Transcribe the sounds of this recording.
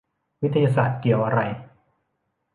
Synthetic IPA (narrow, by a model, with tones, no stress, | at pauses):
wi˦˥t̪ʰa˧jaː˧saː˨˩t̪̚ki˨˩əwʔa˧ɾa˧j